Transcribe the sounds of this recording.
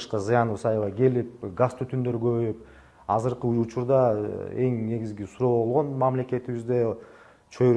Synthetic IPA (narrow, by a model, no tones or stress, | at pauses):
ʃqɑzɨjɑnɯɯsɑjlˠɑɡe̞lip̚ɡast̪ut̪ʰynd̪ø̞ɾɡø̞βøjyp̚ | ɑzɯɾqɯujut͡ʃuɾd̪ɑe̞ŋne̞ɡʲizɡʲisuɾo̞ːβo̞lˠʁo̞nmamle̞ke̞t̪iβizd̪e | t͡ʃʰøɾ